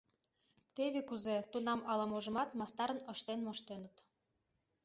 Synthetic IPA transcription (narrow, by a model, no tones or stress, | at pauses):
t̪eβekuzet̪unɑmɑlɑmoʒə̆mɑt̪mɑst̪ɑɾə̆nə̆ʃt̪enmoʃt̪enə̆t̪